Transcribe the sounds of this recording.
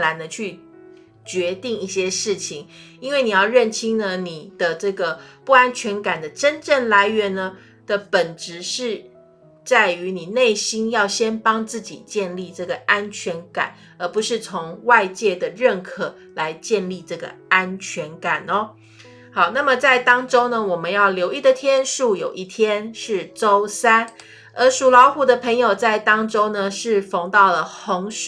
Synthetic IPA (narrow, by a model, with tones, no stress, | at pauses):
la˨˧˥nd̪ə˧t͡ɕʰy˥˩ | t͡ɕɥɛ˧˥t̪i˥˧ŋi˥˩ɕjɛ˥ʂɻ̩˥˩t͡ɕʰi˨˩ŋi˥nwe˥˩ɪni˨˩jɑ˥˧ʊɻə˥˧˩nt͡ɕʰi˥nnə˧ni˨˩d̪̥ə˦ʈ͡ʂɤ˥˩ɡə˩pu˥˩a˥nt͡ɕʰɥɛ˧˥nka˨˩nd̪ə˦ʈ͡ʂə˥nʈ͡ʂə˥˩nla˧˥ɪɥɛ˧˥˦nːə˧ | d̪̥ə˨pə˨˩nʈ͡ʂɻ̩˧˥ʂɻ̩˥˧ | t͡sa˥˩ɪy˧˥ni˨˩ne˥˩ɪɕi˥njɑ˥˩ʊɕjɛ˥npɑ˥ŋt͡sɹ̩˥˩t͡ɕḭ˨˩t͡ɕjɛ˥˧nli˥˧ʈ͡ʂɤ˥˩ɡə˩ʔa˥nt͡ɕʰɥɛ˧˥nka̰˨˩˦n | ə˧˥pu˧˦ʂɻ̩˥˩t͡sʰʊ˧˥ŋwa˥˧ɪt͡ɕjɛ˥˩d̪ə˩ɻə˥˩nkʰɤ˨˩ | la˧˥ɪt͡ɕjɛ˥˧nli˥˧ʈ͡ʂɤ˥˩ɡə̰˩a˦nt͡ɕʰɥɛ˧˥nka˨˩nɔ˦ | xɑ˨˩ʊna˥˩mə˨t͡sa˥˩ɪt̪ɑ˥ŋʈ͡ʂo˥ʊnə˨wɔ˨˩mə˦njɑ˥˩ʊljo˧˥ʊi˥˩d̪ə˨t̪ʰjɛ˥nʂu˥˩jo˨˩ʊʔi˥˩t̪ʰjɛ˥nʂɻ̩˥˩ʈ͡ʂo˥ʊsa˥n | ə˞˧˥ʂu˨˩lɑ˧˥ʊxu˨˥d̪ə˧pʰə˧˥ŋjo˨ʊt͡sa˥˩ɪt̪ɑ˥ŋʈ͡ʂo˥ʊnə˨ʂɻ̩˥˩fo˧˥ŋt̪ɑ˥˩ʊlə˩hʊ˧˥ŋʂ